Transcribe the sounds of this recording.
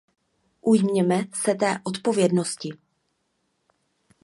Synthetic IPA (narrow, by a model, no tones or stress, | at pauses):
ʔujmɲɛmɛsɛt̪ɛːʔo̞t̪po̞vjɛdno̞scɪ